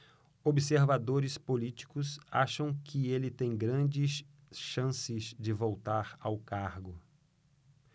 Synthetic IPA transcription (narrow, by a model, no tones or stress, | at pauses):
obɪseɾvad̪oɾɪspolit͡ʃi̥kʊsa̰ʃɐ̃w̃kʰɪelɪt̪ẽj̃ɡɾɐ̃d͡ʒɪs | ʃɐ̃sɪzd͡ʒɪvowt̪aɾawkaɾɡʊ